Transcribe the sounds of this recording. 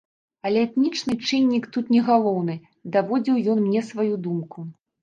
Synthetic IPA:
ɐlʲɛɛt̪nʲit͡ʂnɨt͡ʂɨnʲːikt̪ut̪nʲɛɣalˠɔwnɨ | d̪avɔd͡zʲiwjɔnmnʲɛsvajud̪umku

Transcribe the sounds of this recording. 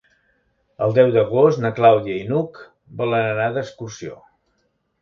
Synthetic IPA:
əlˠd̪ɛwd̪əɣ̞ost̪nəklawðiəinuk | bələnənaðəskursio̰

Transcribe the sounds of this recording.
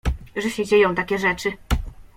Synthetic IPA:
ʐɛɕɛd͡ʑejɔ̃w̃t̪akʲɛʐɛt͡ʂɘ

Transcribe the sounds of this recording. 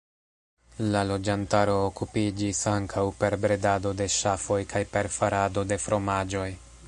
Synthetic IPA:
lalo̞d͡ʒantaɾo̞ːkupid͡ʒisaŋkʰawpe̞ɾbɾe̞dado̞de̞ʃafo̞jkajpe̞ɾfaɾado̞de̞fɾo̞mad͡ʒo̞j

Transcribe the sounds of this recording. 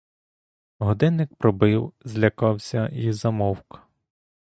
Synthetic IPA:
ɦɔd̪ɪnːɪk̚pɾɔbɪwzʲlʲɐkɑwsʲɐizɐmɔwkɐ̥

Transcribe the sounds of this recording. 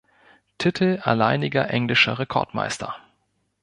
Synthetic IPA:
tʰɪtʰl̩a̰laɪnɪɡɐʔɛŋlɪʃɐʁekʰɔ̰ɐtma̰ɪstʰɐ

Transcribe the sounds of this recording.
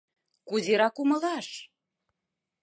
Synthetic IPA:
kuzeɾɑkumɤ̆lɑʃ

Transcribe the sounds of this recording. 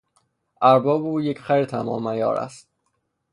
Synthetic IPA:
ʔæɾbɒːbuːjecʰχæjɾt̪ʰæmɒ̰ːmæjɒ̰ːɾæ̰st̪

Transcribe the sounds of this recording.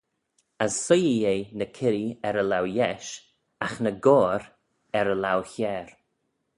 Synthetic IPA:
əsːʊjijejnəkʰɪɾiɛɾəlawjɛʃ | axnəɡɔːɾ | ɛɾəlawçɛːɹ

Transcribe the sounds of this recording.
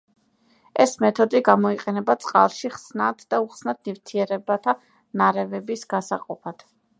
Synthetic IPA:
ɛsmɛt̪ʰɔd̪iɡamɔiqʼɛnɛbat̪sʼqʼa̰lˠʃiχsnad̪d̪auχsnad̪̚nivt̪ʰiɛɾɛbat̪ʰa | naɾɛvɛbisɡ̥asaqʼɔpʰad̪̥

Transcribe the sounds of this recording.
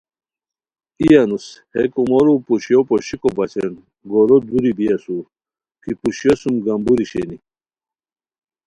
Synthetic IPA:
ijanushekumoɾupuɕijopoɕikobɐt͡ɕen | ɡoɾod̪uɾibijasu | kipuɕjosumɡɐmbuɾiɕḛni

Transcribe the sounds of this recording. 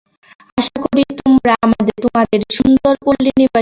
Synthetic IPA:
aʃakoɽit̪omɾaamad̪et̪omad̪eɾʃund̪oɾkolːiniɾba

